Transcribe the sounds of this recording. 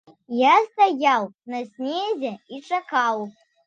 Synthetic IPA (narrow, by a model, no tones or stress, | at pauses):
jast̪ajawnɐsʲnʲeɛzʲɛit͡ʂakaw